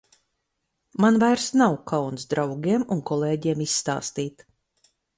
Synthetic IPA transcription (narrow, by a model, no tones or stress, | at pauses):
manvajɾsnawkʰawnsd̪ɾawɡʲiɛmunkɔlˠeːɟiɛmisːt̪a̰ːst̪iːt̪